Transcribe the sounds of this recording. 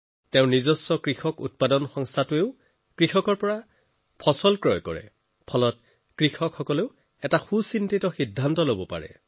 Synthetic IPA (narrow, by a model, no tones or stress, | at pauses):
tɛʊ̃nizɔsːɔkɹixɔkut̚padɔnxɔŋstʰatueʊ | kɹixɔkɔɹpɔɹa | pʰɔsɔlkɹɔjkɔɹɛ̰ | pʰɔlɔt̚ | kɹixɔkxɔkɔleʊ | ɛtaxusintitɔxidʱːantɔlobɔpa̰ɹɛ̰